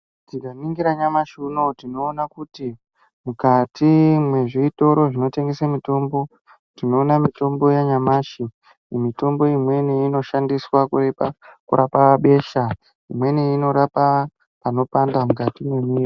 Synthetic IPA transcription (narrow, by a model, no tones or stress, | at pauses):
tikaniŋɡiɾaɲamaʃunotino̞ːnakuti | mukatʰimwe̞ʐiito̞ɾo̞ʐino̞te̞ŋɡesamito̞mbo̞ | tino̞ːnamito̞mbo̞jaɲamaʃi | mito̞mbo̞imwe̞niino̞ʃandiswakurepakṵɾapaaɓe̞ʃa | imwe̞niino̞ɾapa | pano̞pandamukatimwemiro